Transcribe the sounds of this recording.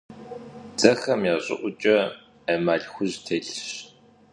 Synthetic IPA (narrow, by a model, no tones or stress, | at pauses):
d͡zʼɐxɐmjaːɕʼɪ̰ʔʷʊt͡ʃʼɐ | ɐmaːɮxʷʊʑtʰeɬɕ